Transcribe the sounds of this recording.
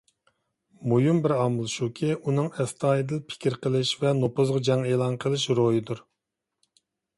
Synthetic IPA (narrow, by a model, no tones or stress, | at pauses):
mojumbɪɾɑmɨlˠɨʃukʲʰiʔunɨŋɛst̪ʰɑːjid̪ɪlpʰɪ̥kʲʰiɾqʰəlˠɪʃvɛnopʊzʁɑd͡ʒɛŋeːlˠɑnqʰəlˠɨʃɾojid̪uɾ